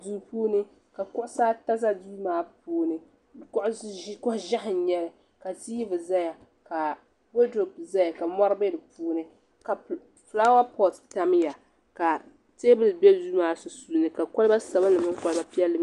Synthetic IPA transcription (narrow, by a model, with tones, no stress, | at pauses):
du˨puː˦nɨ˦ | ka˨kʊ˦ʔʊ˦saː˦ta˦za˦duː˦maː˦puː˦nɨ˦˨ | kʊ˦ʔkʊ˦hʒa˦hɪ˨˦ɲɛ˦lɨ˨ | ka˨ti˦ji˦bɨ˨za˦ja˨ | ka˨ | bo˦do˨pza˦ja˨ka˨mɔ˦ɾbe˦dɨ˨puː˦nɨ˦ | ka˨ | fla˦wa˦pɔ˦˨tta˦m˦ja˨ | ka˨ | teː˦bɨ˦lɨ˨bɛ˦duː˦maː˦sʊ˨su˨nɨ˨ka˨kɔ˦lɨ˦ba˦sa˨ba˦nɨ˨mɨ˦ŋ˦kɔ˦lɨ˦ba˦pi˦ɛ˦lːɨ˦